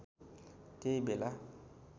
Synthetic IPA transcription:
tebela

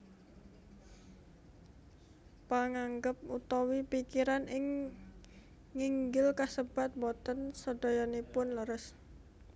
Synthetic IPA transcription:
paŋaŋɡəp̚ut̪ɔwipikiɾanɪŋ | iŋɡɪlkasəb̥a̤t̪̚bɔt̪ənsɔd̥ɔ̤jɔnepʊnləɾəs

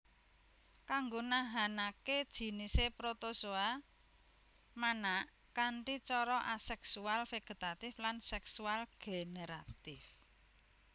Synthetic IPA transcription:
kaŋɡonaɦanaked̥ʒ̥i̤nisepɾot̪osoa | manaʔ | kaɳʈit͡ʃɔɾɔʔasɛksualfeɡ̥ə̤t̪at̪ɪflansɛksualɡ̥eneɾat̪ɪf

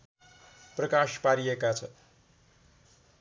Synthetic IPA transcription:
prʌkaʃpaɾijekat͡sʰʌ

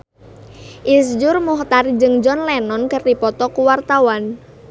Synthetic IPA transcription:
ʔis̬d͡ʒʊrmuht̪ard͡ʒɨŋd͡ʒɔnlɛnɔnkərdipɔt̪ɔkuwart̪awan

